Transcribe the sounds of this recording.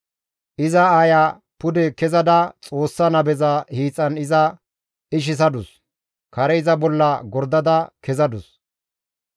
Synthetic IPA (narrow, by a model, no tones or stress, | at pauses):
ʔɪzɐaːja | pʊd̪ɛkɛzɐd̪ɐt͡sʼo̞ːsːɐnɐbɛzɐhiːt͡sʼːɐnɪzɐ | ɪʃ̬ɪs̬ɐd̪ʊs | kʰɐɾɛɪzɐbɔlːɐɡɔɾd̪ɐd̪ɐkɛzɐd̪ʊs